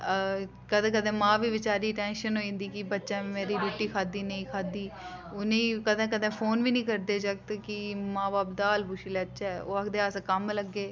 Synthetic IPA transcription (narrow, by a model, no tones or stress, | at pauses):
kəd̪ẽːkəd̪ẽːmãːʋiːʋɪt͡ʃaːɾiːʈɛ̃ːnʃənɦoːĩnd̪iːkɪbətːʃaːmeːɾiːɾuːʈːiːkʰaːd̪iːnəĩːkʰaːd̪iːʊnẽkəd̪ẽːkəd̪ẽːpʰoːnʋiːnĩːkəɾd̪eːd͡ʒək̚t̪kɪmãːbaːp̚d̪aːlbʊʃiːlɛtːʃɛːo̰ːəkd̪eːaːskəmləɡːeː